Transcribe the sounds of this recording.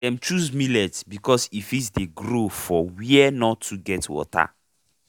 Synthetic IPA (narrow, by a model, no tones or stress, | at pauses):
dɛ̃mt͡ʃuzmilɛtbikɔsifitdeɡɾofɔwiɛnɔtʰːuɡɛtwɔ̰ta̰